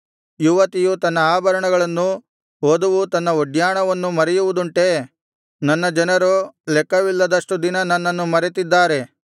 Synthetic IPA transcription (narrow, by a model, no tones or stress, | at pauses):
juʋɐt̪ijut̪ɐnːɐaːbʱɐɾɐɳɐɡɐɭɐnːu | ɦoːd̪uʋut̪ɐnːɐoɖjaːɳɐʋɐnːumɐɾɛjuʋud̪uɳʈe̞ | nɐnːɐd͡ʒɐnɐɾoːlɛkːɐʋilːɐd̪ɐʂʈud̪inɐnɐnːɐnːumɐɾet̪id̪ːaːɾe̞